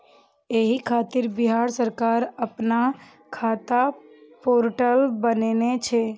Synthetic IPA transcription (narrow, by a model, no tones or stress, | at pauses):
eɦikʰaːt̪ɪɾbɪɦaːɾsəɾkaːɾəpna | kʰaːt̪apoːɾʈəlbənenet͡ʃʰɛː